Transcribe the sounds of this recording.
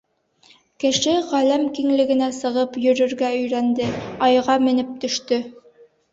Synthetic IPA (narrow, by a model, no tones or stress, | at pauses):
kɘ̆ʃɘʁælæmkiŋlɘ̆ɡɘ̆næsɤ̆ʁɤpjɵ̆ɾɵ̆ɾɡæɵ̆jɾænd̪ɘɑjʁɑmɘ̆nɘp̚t̪ɵ̆ʃt̪ɵ